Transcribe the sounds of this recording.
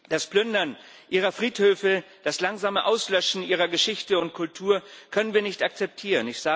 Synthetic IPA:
d̥asplʏndɐn | ʔiːʁ̞ɐfʁ̥iːthøːfə | d̥aslaŋzaːməʔaʊslœʃn̩ʔiːʁ̞ɐɡəʃɪçtəʊntkʰʊltʰuːɐkʰœnənviːɐnɪçtak̚t͡sɛp̚tʰiːʁənɪçz̥aː

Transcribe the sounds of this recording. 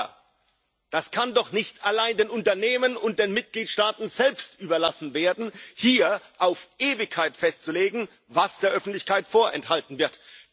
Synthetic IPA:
d̥askʰandɔχnɪçtʰalaɪndeːnʊntɐneːmənʊnt̚d̥eːnmɪt̚ɡ̥liːtʃtaːtn̩zɛlpstʔyːbɐlasn̩veːɐdn̩hiːɐʔaʊfʔeːvɪçkʰaɪtfɛstt͡suleːɡŋ̩ | vasd̥eːɐʔœfn̩tlɪçkʰaɪtfoːɐʔɛ̰nthaltn̩vɪɐt

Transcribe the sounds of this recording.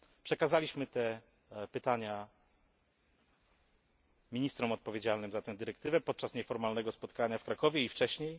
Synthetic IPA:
pʂɛkazalʲiɕmɘt̪ɛ | pɘt̪aɲa | mʲiɲist̪ɾɔmɔt̪̚pɔvʲjed͡ʑalnɘmzat̪ɛ̃w̃d̪ɘɾɛkt̪ɘvɛpɔt̪̚t͡ʂasɲɛfɔɾmalnɛɡɔspɔt̪kaɲafkɾakɔvʲjɛift͡ʂɛɕɲej

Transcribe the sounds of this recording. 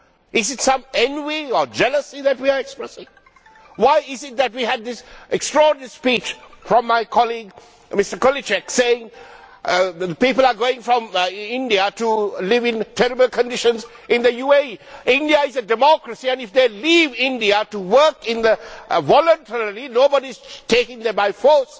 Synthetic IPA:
ʔɪzɪtsʌ̃mɛ̃nviəd͡ʒɛləsiðɨt̚wiəɹɛkspɹɛsɪ̃ŋ | waɪɪzɪt̪̚ðæt̚wiɨd̪̚ðɪsʔɛkstɹɔɹnəspit͡ʃfɹɔ̃mːaɪkʰɔliɡ | mɪstə˞kɔlit͡ʃɛkseɪɪ̃ŋ | əpipəl̩ˠəɡoɪ̃ŋfɹɔ̃mɪ̃ndiətulɪvɪ̃ntʰɛɾɨbəl̩ˠkʰə̃ndɪʃə̃nz | ʔɪ̃nd̪ðəjuːeɪ̃ndiəɪzədɛmɔkɹəsiæ̃nɪfd̪elivɪ̃ndiətuwə˞kɪ̃nðəvɔlə̃ntʰəɾəlinoːbəɾiz̥tʰeɪkɪ̃ŋðəbaɪfɔs

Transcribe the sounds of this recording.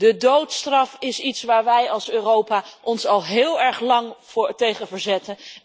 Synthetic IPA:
d̥ədowtstrɑfɪsitsʋaːɹʋɛjɑlˠsøːrowpaːʔɔnsɑlˠɦɪːlˠɛɹχlɑŋtejχənvəɹzɛtən

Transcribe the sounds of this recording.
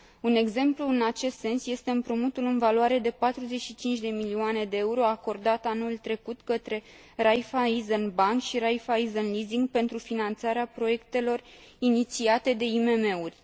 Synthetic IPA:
une̞ɡze̞mpluɨnat͡ʃe̞st̪se̞nsje̞st̪e̞ɨmpɾumut̪ulɨnvaluaɾe̞d̪e̞pat̪ɾuze̞tʃit͡ʃint͡ʃʲd̪e̞milioane̞d̪e̞euɾo̞ako̞rd̪at̪anult̪ɾe̞kut̪kət̪ɾe̞ | rajfaizənbaŋkʃiɾajfaizənliziŋɡpe̞nt̪ɾufinant̪saɾeapɾo̞je̞kt̪e̞lo̞r | init̪siat̪e̞d̪e̞ime̞me̞urʲ

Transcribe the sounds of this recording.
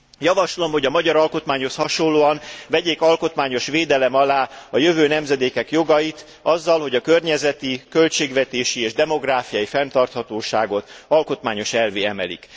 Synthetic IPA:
jɒvɒʃlo̞mho̞ɟɒmɒɟɒɾɒlko̞t̪maːɲho̞shɒʃo̞lːoːɒnvɛɟeːkɒlko̞t̪maːɲo̞ʃʋeːd̪ɛlɛmɒlaːɒjøvøːnɛmzɛd̪eːkɛkjo̞ɡɒjit̪ | ɒzːɒlho̞ɟɒkørɲɛzɛt̪ikø̞lt͡ʃeːɡʋɛt̪eːʃieːʒd̪ɛmo̞ɡraːfijɒjifɛnt̪ɒrt̪hɒt̪oːʃaːɡo̞t̪ɒlko̞t̪maːɲo̞ʃɛlveːɛmɛ̰lḭk

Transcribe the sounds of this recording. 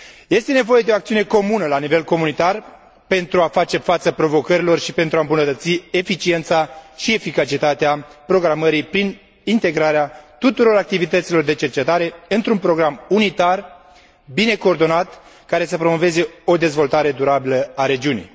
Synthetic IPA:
je̞st̪e̞ne̞vo̞je̞d̪e̞oak̚t̪siune̞ko̞munəlanive̞lko̞munit̪ar | pe̞nt̪ɾuafat͡ʃe̞fat̪səpɾo̞vo̞kəɾilo̞rʃipe̞nt̪ɾuaɨmbunət̪ət̪sie̞fit͡ʃie̞nt̪saʃie̞fikat͡ʃit̪at̪eapɾo̞ɡɾaməɾipɾin | int̪e̞ɡɾaɾeat̪ut̪uɾo̞ɾak̚t̪ivit̪ət̪silo̞rd̪e̞t͡ʃe̞rt͡ʃe̞t̪aɾe̞ɨnt̪ɾunpɾo̞ɡɾamunit̪ar | bine̞ko̞ːrd̪o̞nat̪kaɾe̞səpɾo̞mo̞ve̞ze̞o̞d̪e̞zvo̞lt̪aɾe̞d̪uɾabiləaɾe̞d͡ʒiunḭj

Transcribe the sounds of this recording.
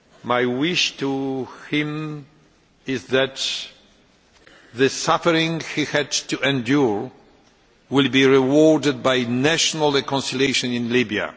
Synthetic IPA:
majwɪʃt̪uhɪ̃m | ɪzðæt̪ | ðɨsafɛɾĩŋhihɛdtuɛ̃ndjuɹ | wɪlbiɹɛwɔɹdɨd̪̚bajnæʃɔnalɹɛkɔ̃nsiljejʃɔ̃nĩnlibja̰

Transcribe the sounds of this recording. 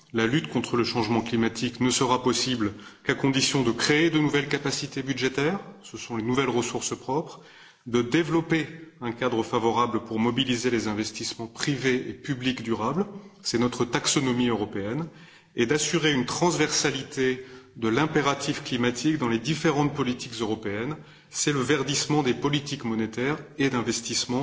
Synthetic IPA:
lalyt̪kɔ̃t̪χələʃɑ̃ʒmɑ̃klimat̪ʰiknəsəʁapɔsiblkakɔ̃d̪isjɔ̃d̪əkχeːd̪ənuvɛlkapasit̪ebyd̪ʒet̪ɛːʁsəsɔ̃lenuvɛlʁəsuʁspχɔpχ | d̪əd̪evlɔpeɛ̃kad̪ʁəfavɔʁabləpuʁmɔbilizelezɛ̃vɛst̪ismɑ̃pχiveepyblikd̪yʁablsɛnɔt̪χət̪aksɔnɔmiøʁɔpeɛn | ed̪asyʁeynt̪χɑ̃zvɛʁsalit̪ed̪əlɛ̃peʁat̪ifklimat̪ʰikd̪ɑ̃led̪ifeʁɑ̃t̪̚pɔlit̪ikzøʁɔpeɛn | sɛləvɛʁd̪ismɑ̃d̪epɔlit̪ikmɔnet̪ɛʁed̪ɛ̃vɛst̪ismɑ̃

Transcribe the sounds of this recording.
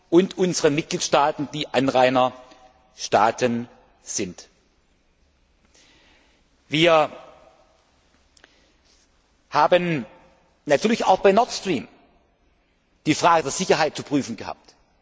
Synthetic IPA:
ʔʊntʔʊnzəʁənmɪt̚ɡ̥liːtʃtaːtn̩d̥iːʔanʁaɪnɐ | ʃta̰ːtʰən | z̥ɪnt | viːɐ | haːbən | natʰyːɐlɪça̰ʊxb̥aɪnɔɐtstʁ̥iːm | d̥iːfʁ̥aːɡədeːɐz̥ɪçɐɦaɪt̚t͡supʁ̥yːfn̩ɡəha̰ːp̚t

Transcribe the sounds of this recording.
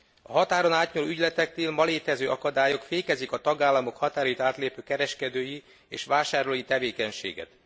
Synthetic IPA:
ɒ̰ɦɒt̪aːɾonaːt̪ɲolːyɟlɛt̪ɛk̚t̪iːlmɒleːt̪ɛzøːʔɒkɒd̪aːjo̞kfeːkɛzikɒt̪ɒɡaːlːɒmo̞khɒt̪aːɾɒjit̪aːt̪leːpøːkɛɾɛʃkɛd̪øːji | ḛːʃʋaːʃaːɾloːjit̪ɛveːkɛɲʃḛːɡɛ̰t̪

